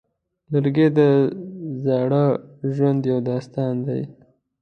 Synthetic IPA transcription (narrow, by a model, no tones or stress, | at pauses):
ləɾɡed̪əzɑɽəʒwand̪jawd̪ɑst̪ɑnd̪a̰j